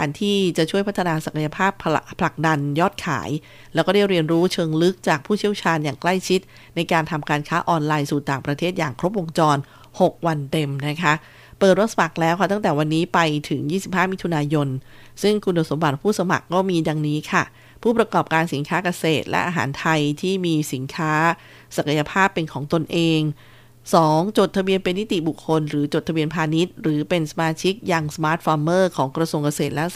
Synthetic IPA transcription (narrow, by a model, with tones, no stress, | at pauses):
aː˩˦nt̪ʰiː˥˩t͡ɕa˨˩ʔt͡ɕʰu˥˩jpʰa˦˥t̪ʰːa˧naː˧sa˨˩ka˧ja˧pʰaː˥˩pʰpʰːla˨˩k̚da˧njɔː˥˩t̪̚kʰa̰ː˩˦j | lɛː˦˥wkɔː˥˩da˥˩jɾi˧ənɾuː˦˥t͡ɕʰɤː˧ŋlɯ˦˥k̚t͡ɕaː˨˩k̚pʰuː˥˩t͡ɕʰi˥˩əwt͡ɕʰaː˧njaː˨˩ŋkla˥˩jt͡ɕʰi˦˥t̪̚ | na˧jkaː˧nt̪ʰa˧mkaː˧nkʰaː˦˥ʔɔː˧nlaː˧jsuː˨˩t̪aː˨˩ŋpɾa˧t̪ʰeː˥˩t̪̚jaː˨˩ŋkʰɾo˦˥p̬̚ʔo˧ŋt͡ɕɔː˧n | ho˨˩k̚wa˧nte˧mna˦˥kʰa˦˥ʔ | pɤː˨˩t̪̚ɾo˦˥sa˧ma˨˩k̚lɛː˦˥wkʰa˥˩t̪a˥˩ŋt̪ɛː˨˩wa˧nːiː˦˥pa˧jt̪ʰɯ˩˦ŋjiː˥˩si˨˩p̚haː˥˩miː˦˥t̪ʰu˧naː˧jo˧n | sɯ˥˩ŋkʰu˧ndo˨˩so˩˦mba˨˩t̪̚pʰuː˥˩sa˧ma̰˨˩kːɔː˥˩miː˧da˧ŋniː˦˥kʰa˥˩ | pʰuː˥˩pɾa˧kɔː˨˩p̚kaː˧nsi˩˦nkʰaː˦˥ka˧seː˨˩t̪̚lʔɛ̰˦˥ʔaː˧ɦa̰ː˩˦nt̪ʰa˧jt̪ʰiː˥˩miː˧si˩˦nkʰaː˦˥ | sa˨˩kʰa˧ja˧pʰaː˥˩pːe˧nkʰɔː˩˦ŋt̪o˧nʔeː˧ŋ | sɔː˩˦ŋt͡ɕoː˨˩t̪ʰa˧bi˧ənpe˧nːi˦˥t̪i˨˩bu˨˩kʰːo˧nɾɯː˩˦t͡ɕo˨˩t̪ʰa˧bi˧ənpʰaː˧ni˦˥t̪̚ɾɯː˩˦pe˧nsa˧maː˧t͡ɕʰi˦˥k̚jaː˧ŋsa˧maː˦˥t̪̚fɔː˧mːɤː˥˩kʰɔː˩˦ŋkɾa˧su˧əŋka˧seː˨˩t̪̚lɛ˦˥